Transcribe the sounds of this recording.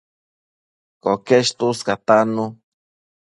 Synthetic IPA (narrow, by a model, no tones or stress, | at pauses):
kokeʃt̪uskat̪anu